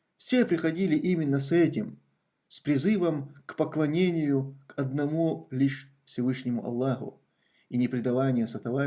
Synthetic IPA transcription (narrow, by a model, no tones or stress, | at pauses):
fsʲepɾʲɪxɐdʲilʲɪʔimʲɪnːəsɛtʲɪm | spɾʲɪzɨvəmkpəklˠɐnʲenʲɪjʊkɐd̪nɐmulʲiʂ | fsʲɪvɨʂnʲɪmʊɐ̰lˠːaxʊ̰ | inʲɪpɾʲɪd̪ɐvanʲɪjəsɐt̪ɐva